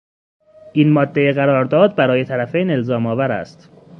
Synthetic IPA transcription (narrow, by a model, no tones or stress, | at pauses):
ʔiːnmɒːd̪ːejeɣæɾɒːɾd̪ɒːd̪̚bæɾɒːje̞t̪ʰæɾæfejne̞lzɒːmɒːvæɾæ̰st̪